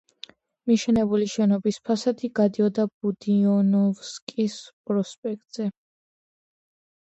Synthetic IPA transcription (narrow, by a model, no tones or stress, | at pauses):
miʃɛnɛbuliʃɛnɔbispʰasad̪ʰiɡad̪iɔd̪ab̥ud̪iɔnɔvskʼispʼɾɔspʼɛk̚ʼt̪ʼz̥ɛ